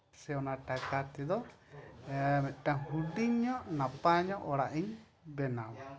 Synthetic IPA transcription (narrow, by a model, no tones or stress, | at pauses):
sɛɔnaʈakat̪ɛd̪ɔ | mɛt̪̚ˀʈahuɖiɲːɔʔnapaɲɔʔɔɽaʔiɲ | bɛnam